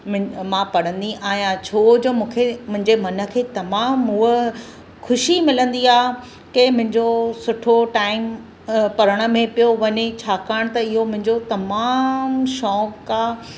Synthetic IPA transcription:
mmãpɐɽ̤ə̃nd̪iʔaːɦjãt͡ɕʰoːd͡ʑoːmũːkʰemʊ̃ɦɪ̃ɲd͡ʑemɐnə̆kʰeːt̪ɐmaːmɦũːə | kʰʊʃimɪlə̃nd̪iaː | kemʊ̃ɦɪ̃ɲd͡ʑosʊʈʰoʈaːɪm | pɐɾəɽ̃ə̆mẽpijoʋɐɲet͡ɕʰaːkaːɽ̃t̪ɐɪɦomʊ̃ɦɪ̃ɲd͡ʑot̪ɐmaːmʃɔːkːaː

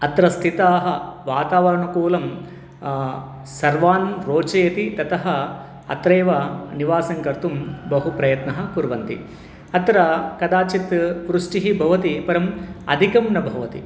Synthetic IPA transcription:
ɐt̪ɾɐst̪ʰit̪aːɦɐʋaːt̪aːʋɐɾɐɳɐkuːlɐm | sɐɾʋaːnɾoːt͡ʃeːt̪it̪ɐt̪ɐɦɐ | ɐ̰t̪ɾeːʋɐniʋaːsɐŋkɐɾt̪umbɐɦupɾɐjɐt̪nɐɦɐkuɾʋɐnt̪ḭ | ɐt̪ɾɐkɐd̪aːt͡ʃit̪ʋɾuʂʈiɦibʱɐʋɐt̪ipɐɾɐmɐ̰d̪ʱikɐmnɐbʱɐʋɐt̪ḭ

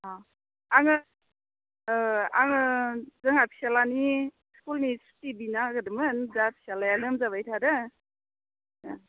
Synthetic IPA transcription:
a | aŋɯ | a̰ŋɯzɯŋapʰi̥salani | skulnistibinaɡɯdɯmɯnzapʰi̥salajanɯmzaβajtʰadɯ

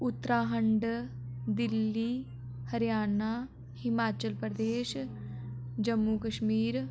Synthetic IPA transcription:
ʊt̪ːɾaːɦəɳɖ | d̪ɪlːiː | həɾjaːnaː | hɪmaːt͡ʃəlpɾəd̪eːʃ | d͡ʒəmːuːkəʃmiːɾ

